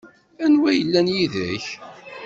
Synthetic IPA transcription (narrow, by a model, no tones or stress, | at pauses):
ænwæjəlːænjiðæç